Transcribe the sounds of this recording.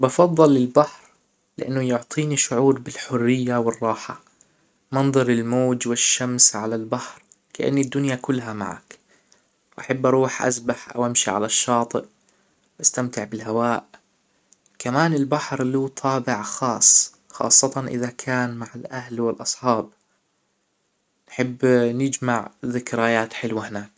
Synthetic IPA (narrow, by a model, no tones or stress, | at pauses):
bɑfɑðˤːɑlːɪlbaħɾ | lɪ̰ʔanːʊjʊʕt̪ˤʰiːniʃʊʕuːɾbɪlħʊrːɪjːawɪrˤːɑːħa | mɑnðˤɑɾɪlmoːd͡ʒwɪʃːamsʕalalbaħɾ | kaʔa̰nːɪd̪ːʊnjakʊlːɦama̰ʕa̰k | wʔaħabːʔɑɾˤuːħʔa̰zbaħʔa̰wʔamʃiʕa̰laʃːɑːt̪ˤɨʔ | wʔast̪amt̪ɪʕbɪlɦawaːʔ | kamaːnɪlbaħɾluːt̪ʰɑːbɪʕxɑːsˤ | xɑ̰ːsˤːɑt̪ɑnʔɪ̰ðakʰaːnmaʕalʔahlwɪlʔɑsˤħɑːb̚ | nħɪbːnɪd͡ʒmaʕðɪkɾaːjaːt̪ħɪlwahɪnaːk